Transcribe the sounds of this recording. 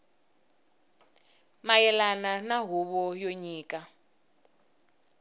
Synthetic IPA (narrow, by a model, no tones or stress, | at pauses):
majɛlananaɦuβɔjoɲiːkʼa